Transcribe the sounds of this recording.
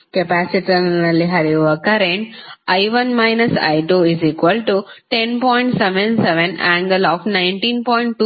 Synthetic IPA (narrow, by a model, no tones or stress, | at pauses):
kepæːsiʈnnɐlːiɦaɾiʋɐkɐɾẽɳʈaɪʋɐnmaɪnɐsa̰ɪʈoiziːkʋəlʈuʈẽnpɔːɪ̃ɳʈseʋẽnseʋẽnæ̃ːŋɡəlɔːfnãɪ̃ɳʈĩːnpɔjɪ̃ɳʈ̚ːu